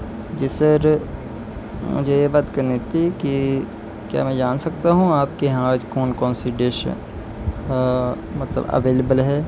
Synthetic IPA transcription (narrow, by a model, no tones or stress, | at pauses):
d͡ʒɪsəɾ | mʊ̰d͡ʒʱejebaːt̪kɐɾnet̪iki | kja̰ːmɛ̃ːd͡ʒaːnsɐk̚t̪aɦũaːp̚keɦãːd͡ʒkɔːnkɔːnsiɖeːʃə̰ | mɐt̪lə̰bɐ̰ʋeːlebəlɦɛː